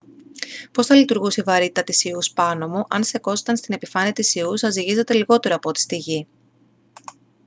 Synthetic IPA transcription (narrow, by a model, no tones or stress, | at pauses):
po̞sθɐlit̪uɾɣuseivɐɾit̪t̪ɐt̪isiuspɐno̞muʔɐnse̞ko̞se̥t̪ɐnst̪ine̞pifɐniɐt̪isiusɐziʝize̞t̪e̞liɣo̞t̪e̞ɾoɐːpo̞t̪i̥st̪iʝi